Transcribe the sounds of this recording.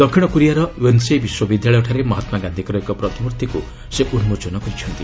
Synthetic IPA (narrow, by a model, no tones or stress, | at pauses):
d̪̥ɔkʰiɽ̃ɔkuɾijaɾɔwensebiswɔbid̪ʱjaɭɔjɔʈʰaɾemɔɦat̪maɡand̪ʱikɔɾɔekɔpɾɔt̪ibuɾt̪ʰiku | seʔunmud͡ʒɔnɔkɔit͡ʃʰɔnt̪i